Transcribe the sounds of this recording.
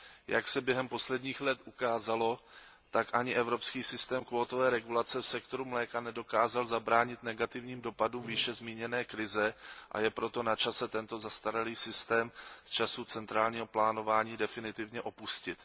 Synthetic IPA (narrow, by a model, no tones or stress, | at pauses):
jaksɛbjɛɦɛmpo̞slɛdɲiːxlɛt̪ʔukaːzalo̞ | t̪akʔaɲɪʔɛvɾo̞pskiːsɪst̪ɛːmkvoːt̪ovɛːɾɛɡulat͡sɛfsɛkt̪o̞ɾumlɛːkanɛdo̞kaːzalzabɾaːɲɪt̪nɛɡat̪ɪvɲiːmdo̞padumviʃɛzmiːɲɛnɛːkɾɪzɛʔa̰jɛpɾo̞t̪o̞nat͡ʃasɛt̪ɛnt̪o̞zast̪aɾaliːsɪst̪ɛːmst͡ʃasut͡sɛnt̪ɾaːlɲiːɦo̞plaːno̞vaːɲiːdɛfɪnɪt̪ɪvɲɛʔo̞puscɪt̪